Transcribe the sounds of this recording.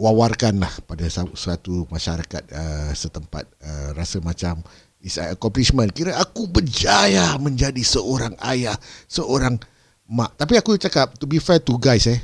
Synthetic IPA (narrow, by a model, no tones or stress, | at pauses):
wawarkanlahpadasasat̪umaʃaɾaka̰t̪̚əsət̪əmpa̰t̪̚ərasəmat͡ʃam | isa̰əkɔmplismə̃nkiɾaakubərd͡ʒajamə̃ɲd͡ʒadisəʔoɾaŋa̰jahsəoɾaŋ | maʔt̪apiakut͡ʃakap̚t̪ubifɛt̪uɡajsɛ